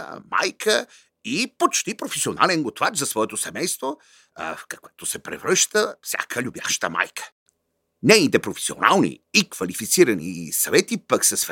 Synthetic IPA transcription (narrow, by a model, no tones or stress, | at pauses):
ma̰jkʰə | ipot͡ʃt̪ipɾofɛsionalɛnɡot̪vat͡ʃzɐsvɔɛt̪osɛmɛjst̪vo | fkɐkɛt̪osɛpɾɛ̰vɾəʃt̪əfsʲa̰kʰəlʲubja̰ʃt̪əma̰jkʰə̥ | nɛit̪ɛpɾofɛ̥sio̰na̰lˠnḭikvɐlifit̪siɾɐnḭsɐvɛt̪ipɐksɐs